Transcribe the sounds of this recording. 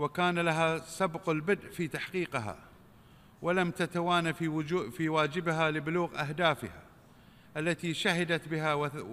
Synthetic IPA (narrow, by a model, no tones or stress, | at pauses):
wɪkaːnalaɦasabqɪlbɪd̪ʔfiːt̪aħqiːqɦa̰ | walamt̪at̪awaːnaffiwaːd͡ʒɪbɦalɪbɪluːɣʔahd̪aːfɪ̰ha̰ | ʔalːat̪iʃahɪd̪at̪bɪɦaw